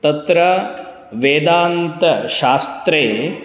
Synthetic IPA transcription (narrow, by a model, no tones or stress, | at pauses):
t̪ɐt̪ɾɐ | ʋeːd̪aːnt̪ɐʃaːst̪ɾeː